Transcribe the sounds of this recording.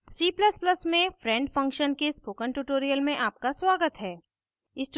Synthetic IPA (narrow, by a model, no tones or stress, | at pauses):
siːpləspləsmẽfɾɛ̃ːɳɖfɐ̃ŋkʃənkespoːkəɳʈuːʈoːɾijəlmẽʔaːp̚kasʋaːɡət̪ɦɛː | ɪsʈ